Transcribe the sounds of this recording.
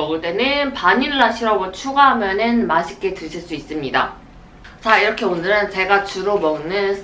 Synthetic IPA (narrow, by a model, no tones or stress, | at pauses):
ʌɡudenɯnpaɲiɾɯɭaɕʰiɾʌɡot͡ɕʰuɡaɦamjʌnɯnmaɕʰik͈e̞tɯɭɕʰiɭs͈uis͈ɯmɲida̰ | t͡ɕaiɾʌkʰe̞onɯɾɯnt͡ɕe̞ɡat͡ɕuɾomʌŋnɯn